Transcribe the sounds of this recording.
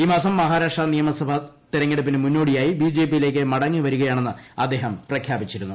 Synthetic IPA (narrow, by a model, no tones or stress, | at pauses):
iːmaːsɐmːɐɦaːɾakʂanijɐmɐsɐbʱɐt̪iɾɐŋːeɽup̬ːinɨmunːo̞ːɽijaːjibiːd͡ʑeːp̬ːijile̞ːk̬ːɨmɐɽɐŋːiʋɐɾuɣɐjaːɳe̞nːɨɐd̪ːe̞ːɦɐmprɐkʰjaːbit͡ɕːiɾunːu